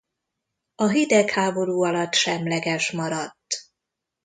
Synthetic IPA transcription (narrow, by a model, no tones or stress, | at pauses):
ɒɦid̪ɛkhaːbo̞ɾuːɒlɒt̪ːʃɛmlɛɡɛʃmɒɾɒt̪ː